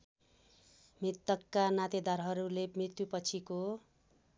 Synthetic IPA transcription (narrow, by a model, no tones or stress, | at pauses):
mrit̪ːʌkːanat̪ed̪aɾɦʌɾulemrit̪wjupʌt͡sʰiko